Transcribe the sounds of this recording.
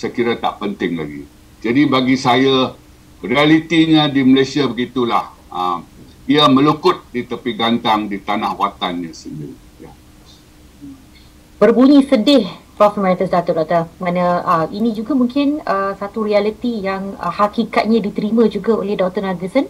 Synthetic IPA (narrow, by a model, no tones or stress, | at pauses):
səkiɾat̪a̰ʔpənt̪ɪŋla̰ɡḭ | d͡ʒadibaɡisaja | rialit̪iɲãdiməlesiabəɡit̪ulah | əm | iamə̃lukʊt̪̚dit̪əpiɡant̪aŋdit̪anahwat̪anɲãsəndḭɾḭ | ja | b̥ərbuɲisədɪhpafəmɛɾit̪əsdat̪ɔʔdat̪amanə̃əʔinĩd͡ʒuɡamuŋkɪnəsat̪uɾialit̪ijaŋə̰hakikat̪̚ɲãdit̪əɾimãd͡ʒuɡao̰lɛhdɔt̪ɔnaɡisən